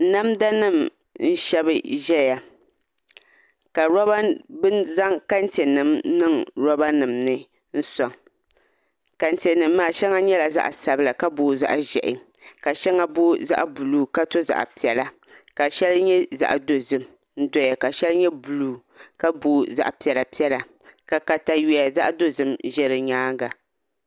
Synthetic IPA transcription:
n̩˨˦na˦mda˦nɨ˦˨m | n̩˦ʃɛ˦bɨ˦ʒɛ˦ja˨ | ka˨ɾɔ˦ba˦bɨ˦nza˦ŋka˦n̩˦te˨nɨ˨mnɨ˦ŋɾɔ˦ba˦nɨ˨mnɨ˦ | n̩˦sɔ˨ŋ | ka˨n̩˨te˨nɨ˨mː˦aː˨ʃɛ˦ŋa˦ɲɛ˦la˨za̰˦ʔa˨sa˨bɨ˦la˨ka˦boː˨˦za̰˦ʔʒɛ̰˨ʔɪ̰˨ | ka˨ʃɛ˦ŋa˦boː˦za̰˦ʔbu˨luː˦ka˦to˦za̰˨ʔpi˨ɛ˨la˦ | ka˨ʃɛ˦lɲɛ˦za̰˨ʔdo˨zɨ˦m | n̩˦dɔ˦ja˨ka˨ʃɛ˦lɲɛ˦bu˨luː˨ | ka˦boː˦za̰˦˨ʔpi˨ɛ˨la˨pi˦ɛ˦la˨ | ka˨ka˨ta˦jɛ˨ja˨za̰˦ʔdo˦zɨ˦mʒɛ˦ɾɨ˨ɲaː˦ɡa˨

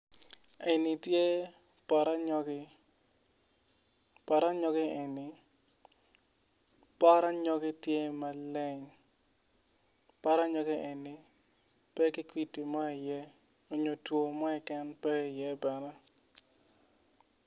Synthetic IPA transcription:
e˨ni˨tje˦ | pa˨ɾa˦ɲɔ˦ɡɪ˦ | pa˨ɾa˦ɲɔ˦ɡɪ˦e˨ni˨ | pa˦ɾa˦ɲɔ˦ɡɪ˦tje˦ma˦lɛ˦ɲ | pa˦ɾa˦ɲɔ˦ɡɪ˦ʔe˨ni˨ | pɛ˦kɪ˦kwi˨ti˨mɔ˦i˨jɛ˦ | o˨ɲo˨two˨mɔ˦ɪ˨kɛ˦npɛ˦i˨jɛ˦bɛ˨nɛ˦

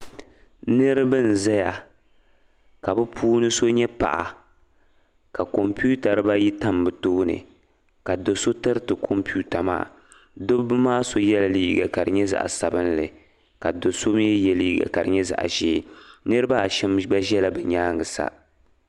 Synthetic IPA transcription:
nɨ˦ɾɨ˦bɨ˦n̩˨za˦ja˨ | ka˨bɨ˦pʰuː˦nɨ˦so˦ɲɛ˦pa̰˨ʔa̰˨ | ka˨ko˨mpu˦ta˨ɾɨ˦ba˦ji˦ta˦mbɨ˨toː˦nɨ̰˨ | ka˨do˨so˦tɨ˦ɾɨ˦tɨ˨kʰo˦mpu˦ta˨ma̰ː˦˨ | do˦bɨ˦maː˦so˦jɛ˦la˨liː˦ɡa˨ka˨dɨ̰˨ɲɛ˦za̰˨ʔa̰˨sa˨bɨ˦n˦lɨ˨ | ka˨do˨so˦m˦jɛ˦jɛ˨liː˦ɡa̰˨ka˨dɨ̰˨ɲɛ˦za̰˨ʔa̰˨ʒeː˦nɨ˦ɾɨ˦ba˦a˨ʃɛ˦mba˦ʒɛ˦la˦bɛ˨ɲaː˦ŋɡɨ˨sa̰˦

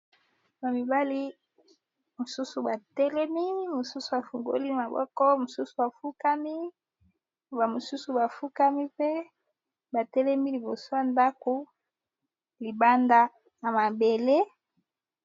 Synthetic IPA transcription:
ba˨mi˨ba˦li˦ | mo˨su˦su˨ba˨tɛ˦lɛ˦mi˦mo˨su˦su˨a˨fu˨ŋɡo̰˦li˦˨ma˨bɔ̰˦kɔ˦mo˨su˦su˨a˨fu˦ka˦mi˦ | ba˨mo˨su˦su˨ba˨fu˦ka˦mi˦pe˦ | ba˨tɛ˦lɛ˦mi˦li˨bo˨so˦a˦˨nda˦ko˨ | li˨ba˦nda˦ | na˨ma˨be˨le˦

